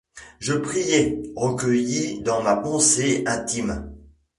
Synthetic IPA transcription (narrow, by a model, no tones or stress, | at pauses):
ʒəpχijɛʁəkʲəjid̪ɑ̃mapɑ̃seɛ̃t̪im